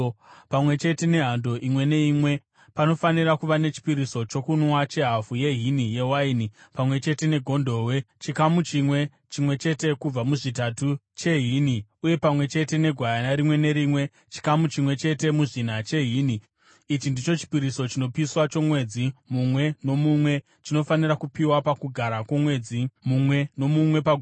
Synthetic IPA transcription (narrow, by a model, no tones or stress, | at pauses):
pamwe̞t͡ʃe̞te̞ne̞ɦando̞ʔimwe̞ne̞imwe̞ | pano̞fanirakuʋane̞t͡ʃi̥piɾiso̞t͡ʃo̞kunwat͡ʃe̞ɦafuje̞ɦinije̞wainipamwe̞t͡ʃe̞te̞ne̞ɡʱo̞ndʱo̞we̞t͡ʃikamut͡ʃimwe̞ | t͡ʃimwe̞t͡ʃe̞te̞kub͡vamuʐitatu | t͡ʃe̞ɦiniuje̞pamwe̞t͡ʃe̞te̞ne̞ɡʱwajanaɾimwe̞ne̞ɾimwe̞ | t͡ʃi̥kamut͡ʃimwe̞t͡ʃe̞te̞muʐin̤at͡ʃe̞ɦiːni | it͡ʃindit͡ʃo̞t͡ʃi̥piɾiso̞t͡ʃino̞piswat͡ʃo̞mwe̞ːd͡zimumwe̞no̞mumwe̞ | t͡ʃino̞faniɾakupiwapakuɡʱaɾakwomwe̞ːd͡zimumwe̞no̞mumwe̞pa